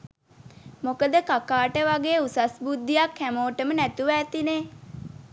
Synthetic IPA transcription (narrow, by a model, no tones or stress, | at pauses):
mokəd̪əkakaːʈəʋaɡejusasbud̪ːijakʰːæmoːʈəmənæt̪uʋæːt̪ine